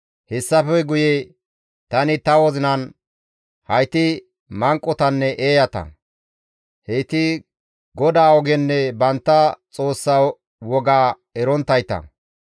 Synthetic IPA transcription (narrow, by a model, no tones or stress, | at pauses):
hɛsːɐfɛɡʊje | t̪ɐnɪt̪ɐwɔzɪnɐn | hɐjt̪ɪ | mɐŋkʼːɔt̪ɐnːɛʔeːjɐt̪ɐ̰ | hejt̪ɪ | ɡɔd̪aːɔɡɛnːɛbɐnt̪ːɐt͡sʼo̞ːsːɐ | wɔɡaː | ɛɾɔnt̪ːɐjt̪ɐ̰